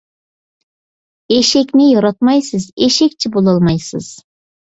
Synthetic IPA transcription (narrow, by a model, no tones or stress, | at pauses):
eʃɪkʲnɪjɑɾɑt̪mɑjsɨzeʃekʲt͡ʃʰɪbolˠɑlˠmɑjsɨ̰z̥